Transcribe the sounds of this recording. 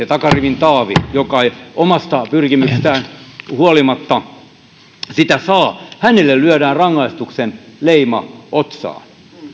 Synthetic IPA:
et̪ɑkɑriʋint̪ɑːʋḭjokɑeiomɑst̪ɑpyrkimykst̪æːnhuolimɑt̪ːɑ | sit̪æsɑːhænelːellyøɾæːnrɑŋːɑist̪uksenleimɑ̰ʔot̪sɑ̰ːn

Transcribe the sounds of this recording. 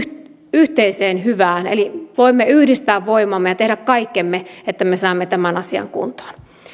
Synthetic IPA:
yht̪eiseːnhyʋæːnḛliʋoimːeyhdist̪æːʋʋoimɑmːejɑt̪ehɾækkɑikːemːeet̪ːæmesɑːmːet̪æmænɑsiɑ̰ŋkṵnt̪o̥ːn

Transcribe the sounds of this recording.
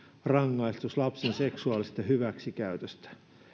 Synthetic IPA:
rɑŋːɑist̪uslɑpsense̞ksuɑːlist̪ɑɦyʋæksikæyt̪øst̪æ̥

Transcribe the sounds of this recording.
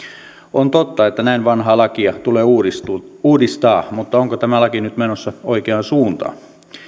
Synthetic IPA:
ont̪ot̪ːɑet̪ːænæinʋɑnhɑːlɑkiɑt̪uleːuisuːdist̪ɑːmut̪ːɑoŋkot̪æmælɑkinyt̪menosːɑoikeɑnsuːnt̪ɑ̰ː

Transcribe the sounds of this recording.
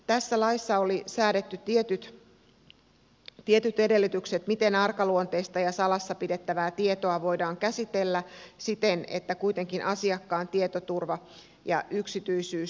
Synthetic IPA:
t̪æsːælɑisːɑolisæːdet̪ːyt̪iet̪yt̪ | t̪ie̞t̪yt̪ede̞lːit̪ykset̪mit̪e̞nɑrkɑluont̪eist̪ɑjɑsɑlɑsːɑpide̞t̪ːæʋæːt̪ie̞t̪oɑʋo̞idɑːŋkæsit̪elːæsit̪enḛt̪ːækuit̪e̞ŋkinʔɑsiɑkːɑːnt̪iet̪ot̪urʋɑ | jɑ̰ʔyksit̪yisyː

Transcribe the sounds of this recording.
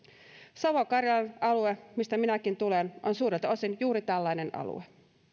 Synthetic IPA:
sɑʋokɑrjɑlɑnɑluemist̪æminækint̪ulenʔonsuːɾet̪o̞sinjuːɾit̪ælːæjne̞nɑ̰lṵe

